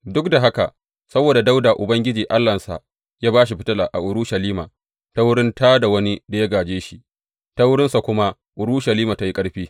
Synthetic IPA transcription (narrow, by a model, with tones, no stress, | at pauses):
dʊ˦kda˨ɦa˦ka̰˨ʔ | sɐ˦boː˨da˨da˦wda˨ʔʊ˨bɐ˦ŋɡʲɪ˦d͡ʒiː˨ʔa˦lːɐ˨nsa̰˨ | jaː˦baː˦ʃ̬i˨ɸɪ˦tɐ˦laː˨ʔa̰˨ʔʊ˨ɾʊ˦ʃɐ˨liː˦ma̰˨ | ta˦wʊ˦ɽɪ˦nta˦da˨wɐ˦ni˦da˨ja˦ɡaː˨d͡ʒeː˦ʃi˨ | ta˦wʊ˦ɽɪ˦nsa˨kʷʊ˦ma˦ | ʔʊ˨ɾu˦ʃɐ˨liː˦ma˨ta˦ji˦kʼɐ˦ɽɸiː˦